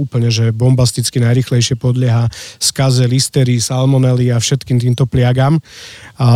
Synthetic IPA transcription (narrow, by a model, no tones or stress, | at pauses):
uːpl̩ɲɛʒɛbɔmbast̪it͡skinajɾiːxlɛjʃɪɛpɔd̪ʎɪɛɦaːskazɛlist̪ɛɾisalmɔnɛliafʃɛt̪kiːmt̪iːmt̪ɔplɪaɡaːm